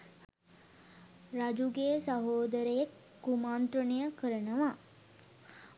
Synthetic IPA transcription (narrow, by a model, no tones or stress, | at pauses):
ɾad͡ʒuɡesaɦoːd̪əɾəjekː | umaːnt̪ɾənəjəkəɾənəʋa